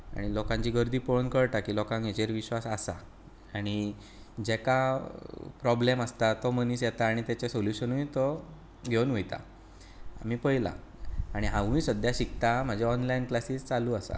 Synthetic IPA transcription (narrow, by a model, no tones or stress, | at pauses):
a̰ɽ̃ilɔkãɲt͡ɕiːɡəɾd̪iːpoɭnkəɽt̪akiːlɔkãŋkjet͡ɕeɾʋiɕʋasasa̰ | aɽ̃i | d͡ʑɛka | pɾɔbleməst̪at̪ɔməniːsjɛt̪aːɽ̃it̪ɛt͡ɕesoluɕənuit̪ɔ | ɡʱewnʋujt̪a̰ | a̰m̤iːpəɦila̰aɽ̃iɦãʋ̤ũjsəd̪jaɕikt̪am̤əd͡ʑʱaɔnlainklasiːst͡saluːasa̰